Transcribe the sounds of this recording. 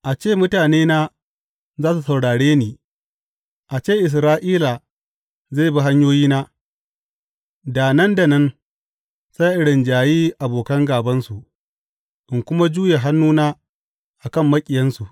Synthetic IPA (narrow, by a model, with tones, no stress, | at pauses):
ʔa˨t͡ʃeː˦˨mʊ˦taː˨neː˦naː˦ | zaː˦s̬u˨sɐ˨wɽaː˨ɽeː˦niː˨ | ʔa˨t͡ʃeː˦˨ʔɪ˨s̬ɾaː˦ʔiː˦la˨ | za˦˨bi˦ɦa˦ɲjoː˦jiː˦naː˦ | daː˨nɐ˦nda˨nɐ˦n | sa˦ʔɪ˨ɽɪ˨nd͡ʒaː˨jiː˦ʔa˨boː˨kɐ˦ŋɡaː˨bɐ˦nsu˨ʔ | ʔɪ˨ŋkʷʊ˦ma˦d͡ʒuː˦je˨ɦa˦nːuː˦naː˦ | ʔa˨kɐ˦˨mːɐ˦kʲʼɪ˨jɐ˦nsu˨ʔ